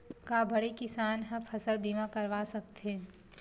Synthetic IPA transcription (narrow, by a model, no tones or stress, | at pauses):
kaːbʱɐɽekɪsaːnɦɐ̃pʰɐsəlbiːmãkɐɾʋaːsɐk̚t̪ẽ